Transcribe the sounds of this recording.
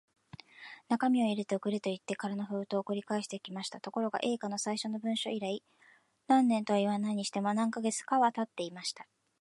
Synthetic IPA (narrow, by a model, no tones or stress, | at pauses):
nakamʲio̞iɾet̪ookɯ̟ɾet̪o̞it̪ːe̞kaɾano̞ɸɯ̟ːt̪o̞ːkɯ̟ɾʲikaeɕi̥t̪e̞kʲimaɕi̥t̪at̪o̞ko̞ɾo̞ɡa̰ʔe̞ːkano̞saiɕo̞no̞bɯ̟̃ɰ̃ɕo̞iɾai | nãnːẽ̞nt̪oaiβanaiɲ̟iɕi̥t̪e̞mo̞nãŋkaɡe̞t͡sɨ̥kaβat̪at̪ːe̞imaɕi̥t̪ḁ